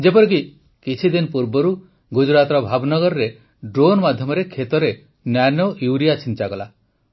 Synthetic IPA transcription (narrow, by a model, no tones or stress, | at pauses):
d͡ʒepɔɾik̬i | kit͡ʃʰid̪inɔpuɾbɔɾu | ɡud͡ʒɾat̪ɾɔbʱabnɔɡɔɾɔɾe | ɖɾonɔmad̪ʱjɔmɔɾekʰet̪ɔɾe | nanoʔjuwɾijat͡ʃʰint͡ʃaɡɔla